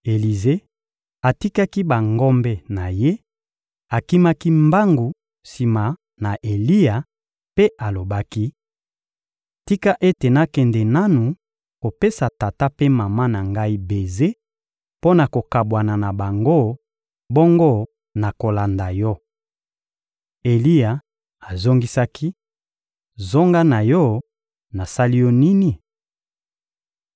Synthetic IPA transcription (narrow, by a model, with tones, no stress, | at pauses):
e˨li˨ze˦ | a˨ti˦ka˦ki˦ba˨ŋɡɔ˦mbɛ˦na˨je˦ | a˨ki˦ma˦ki˦mba˦ŋɡu˨ | si˨ma˨ | na˨ʔe˨li˦a˨ | pe˦ʔa˨lo˨ba˦ki˦ | ti˦ka˦ʔe˦te˨na˦kɛ˨ndɛ˨na˦nu˨ | ko˨pe˦sa˨ta˨ta˦pe˦ma˨ma˦na˨ŋɡa˦i˦be˨ze˦ | po˦na˨ko˨ka˨bwa˨na˨na˨ba˨ŋɡo˦ | bo˦ŋɡo˦ | na˨ko˨la˨nda˨jɔ˦ | e˨li˦ja˨ | a˨zo˦ŋɡi˦sa˦kʰi˦ | zo˦ŋɡa˦na˨jɔ˦ | na˨sa˦li˦jɔ˦ni˦ni˨